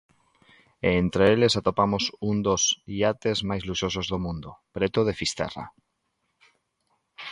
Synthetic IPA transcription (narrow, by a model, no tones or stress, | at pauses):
eːnt̪ɾeelesat̪opamosund̪osiat̪ezmajzluʃosozðomũnd̪opɾet̪oð̞efist̪ɛ̰ra̰